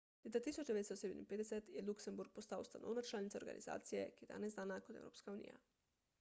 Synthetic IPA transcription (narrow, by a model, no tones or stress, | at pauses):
leːt̪at̪iːsɔd͡ʒd̪ɛʋeːd̪stot̪sed̪ɛmḭnpeːd̪ɛsɛt̪jɛluksɛmbuɾk̚pɔst̪awst̪ano̰ːwnat͡ʃlaːlnit̪saoɾɡa̰nʔḭza̰ːt̪sijɛkijɛd̪a̰ːnɛzd̪aːnakɔt̪ɛ̰wɾo̰ːpskaunḭja̰